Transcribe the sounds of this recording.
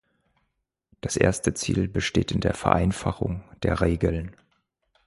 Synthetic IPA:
d̥asʔḛːɐstət͡sḭːlbəʃteːtɪndeːɐfɛɐʔaɪnfaχʊŋd̥eːɐʁeːɡəln

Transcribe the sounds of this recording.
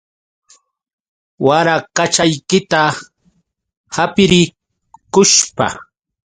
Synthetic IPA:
waɾakat͡ʃajkɪt̪a | hapɪɾɪ | kʊʃpa̰

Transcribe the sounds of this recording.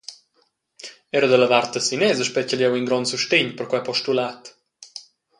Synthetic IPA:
ɛɾəd̪ələvart̪əsinɛzəʃpɛcəljɛwiŋɡɾɔnsuʃt̪eɲpərkwapɔʃtulat̪

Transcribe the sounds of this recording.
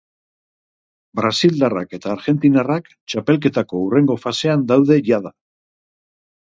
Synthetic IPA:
bɾasild̪ara̰ke̞t̪aːɾɣe̞nt̪inarak | t͡ʃape̞lk̬e̞t̪ako̞ure̞ŋɡo̞fase̞and̪awðe̞ʝað̞a

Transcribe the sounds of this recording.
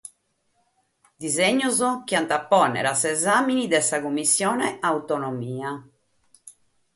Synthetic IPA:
d̪izeɲːuzok̟iant̪apːɔnɛ̰ɾasɛzaːminid̪ɛsakumːisːjɔːnɛawt̪onomiːa

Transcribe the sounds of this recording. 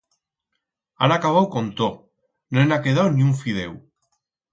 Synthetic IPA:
a̰nakaβ̞awkont̪o | noenakeð̞awniuɱfið̞e̞̰w

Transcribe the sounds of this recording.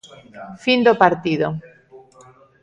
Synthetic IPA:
find̪opaɾt̪iðo

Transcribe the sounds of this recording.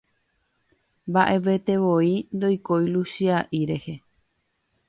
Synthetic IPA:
mbaʔe̞ʋe̞t̪e̞ʋoind̪o̞jko̞jluʃiaʔiɾe̞he̞

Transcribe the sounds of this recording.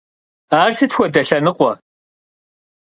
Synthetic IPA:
aːrsɨtxʷɔdɐɬɐnɨqʷʼɔ

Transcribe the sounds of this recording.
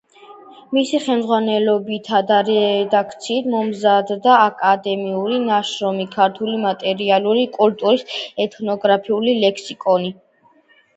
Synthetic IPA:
misiχɛmd̪zʁwanɛlɔbit̪ʰad̪aɾɛd̪akʰt̪sʰiːt̪ʰmɔmzad̪d̪aːkʼad̪ɛmiuɾinaʃɾɔmikʰaɾt̪ʰulimat̪ʼɛɾialuɾikʼult̪ʼuɾisɛt̪ʰnɔɡɾapʰiulilɛkʰsikʼɔni

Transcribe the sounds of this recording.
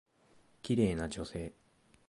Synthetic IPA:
kʲiɾe̞ːnad͡ʑo̞se̞ː

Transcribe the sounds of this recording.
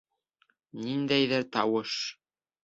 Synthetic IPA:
nind̪æjðɘɾt̪ɑwɤʃ

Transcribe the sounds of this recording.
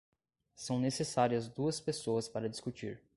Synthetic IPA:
sɐ̃w̃nesesaɾiɐzd̪uɐspesoɐspaɾɐd͡ʒiskut͡ʃḭɾ

